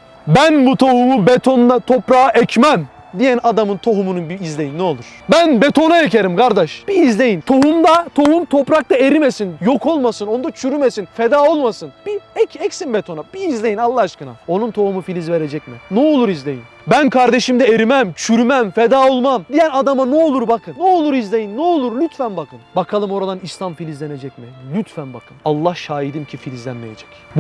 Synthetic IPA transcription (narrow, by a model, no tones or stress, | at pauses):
bænbut̪ʰo̞humubet̪ʰo̞nd̪at̪ʰo̞pɾaaʔɛcmæm | d̪ijænad̪amɯnt̪ʰo̞ɦumununbiːzlʲe̞jinːɛo̞lˠuɾ̥bænbet̪ʰo̞naecʰeɾimkaɾd̪ɛʃb̥iːzlʲe̞jint̪ʰo̞humd̪at̪ʰo̞humt̪ʰo̞pɾak̚t̪ˠaeɾimesinjokʰo̞lˠmasɯno̞nd̪at͡ʃʰyɾymesinfed̪aːo̞lˠmasɯnb̥iɛcʰɛcsinbet̪ʰo̞nab̥iːzlʲe̞jinalˠːaaʃkɯna̰o̞nunt̪ʰo̞humufilʲizve̞ɾe̞d͡ʒɛcminɛolˠuɾizlʲe̞jin | bænkʰaɾd̪e̞ʃimd̪ɛeɾimæmt͡ʃʰyɾymæmfed̪aːo̞lˠmamd̪ijænad̪amanɛo̞lˠuɾbakʰɯnːɛolˠuɾizlʲe̞jinːɛolˠuɾlʲyt̪fænbakʰɯnbakʰalˠɯmo̞ɾad̪anislʲˠamfilʲizlʲe̞ne̞d͡ʒɛcmilʲyt̪fænbakʰɯnalˠːahʃaːjid̪imcʰifilʲizlʲænmeje̞d͡ʒɛ̥c